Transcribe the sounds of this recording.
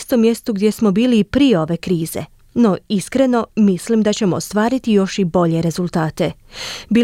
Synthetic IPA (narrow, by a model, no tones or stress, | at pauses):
st̪omje̞st̪uɡd̪je̞smo̞biːliːpɾijeo̞ʋe̞kɾiːze̞̰ | no̞iskɾe̞no̞mislimd̪at͡ɕe̞mo̞ːst̪ʋaːɾit̪ijo̞ʃibo̞ʎe̞ɾe̞zulˠt̪aːt̪e̞ | biː